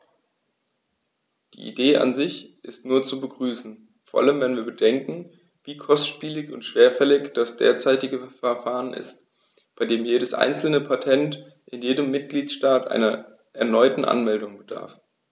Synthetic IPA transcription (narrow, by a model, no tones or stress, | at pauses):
d̥ḭːʔḭdeːʔa̰nzɪçʔɪstnuːɐt͡subəɡʁyːsn̩ | foːɐʔa̰ləmvɛnviːɐbədɛŋkŋ̩ | viːkʰɔstʃpiːlɪçʊntʃv̥eːɐfɛlɪçd̥asd̥ḛːɐt͡saɪtɪɡəfɛɐfaːʁənʔɪ̰st | b̥aɪdeːmjeːɾəsʔa̰ɪnt͡sl̩nəpʰatʰɛnt | ʔɪnjeːdəmːɪt̚ɡ̥liːtʃtaːtʔa̰ɪnɐ | ʔɛɐnɔʏtn̩ʔa̰nmɛldʊŋbəd̥a̰ɐf